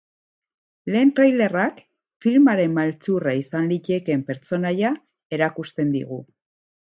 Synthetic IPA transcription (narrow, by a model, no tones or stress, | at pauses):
le̞ːnt̪ɾajle̞rak | filmaɾe̞mmalt͡suraisanlice̞ke̞mpe̞ɾt͡so̞naja | e̞ɾakust̪e̞nd̪ḭɣ̞u